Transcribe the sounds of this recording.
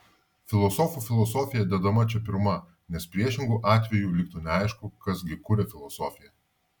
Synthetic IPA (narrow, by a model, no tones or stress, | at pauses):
fʲɪlˠɔsɔːfuːfʲɪlˠɔsɔːfʲɪjɛd̪ʲɛd̪ɐmɐt͡ʃʲɛpʲɪɾmɐ | nʲɛspʲɾʲiɛʃʲɪŋɡuːʔɑːt̪ʲʋʲɛjuːlʲɪk̚t̪uːnʲɛɐˑɪʃkʊkɐsɡʲɪkuːɾʲɛfʲɪlˠɔsɔːfʲɪjɛ